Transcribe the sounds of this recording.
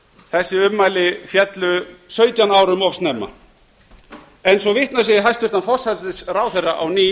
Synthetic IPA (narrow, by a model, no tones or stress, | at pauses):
θɛsːɪʏmːajlɪfjɛt̪lʏsœːɥt̪janaːwɾʏmɔvst̪nɛːma̰ | ɛnsɔvɪht̪nas̬jɛjɪɦajst̪vʏ̥t̪anfɔr̥sat̪ɪsraːwθɛraʔawniː